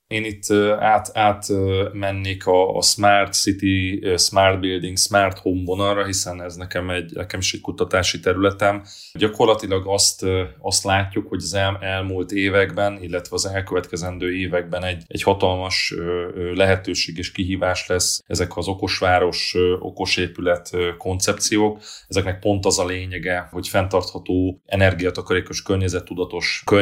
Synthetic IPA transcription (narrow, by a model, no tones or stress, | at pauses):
eːnit̪ʰːaːt̪aːt̪mɛnːeːkʰɒ̰smaːrt̪sit̪ismaːrt̪̚bild̪iŋɡsmaːrt̪homvonɒlrɒɦisɛnɛznɛkɛmɛɟnɛ̰kɛmiʃickut̪ɒt̪aːʃit̪ɛɾylɛt̪ɛm | ɟɒko̞rlɒt̪ilɒɡɒst̪ɒst̪laːcːukho̞ɟɒzɛmɛlmuːlt̪eːvɛɡbɛnilːɛt̪ʋɛɒzɛlkøvɛt̪kɛzɛnd̪øːeːvɛɡ̚bɛnɛɟːɛ̰ɟhɒt̪ɒlmɒʃølɛɦɛt̪øːʃeːɡeːʃkiɦiːvaːʃlɛsɛzɛkɒzo̞ko̞ʃʋaːɾo̞ʃo̞̰ko̞ʃeːpylɛt̪ko̞nt̪sɛp̚t̪sijoːkɛzɛknɛk̚po̞nt̪ɒzɒleːɲɛɡɛho̞cfɛnt̪ɒrt̪hɒt̪oːɛnɛrɡijɒt̪ɒkɒɾeːko̞ʃkørɲɛzɛt̪ːud̪ɒt̪o̞ʃkø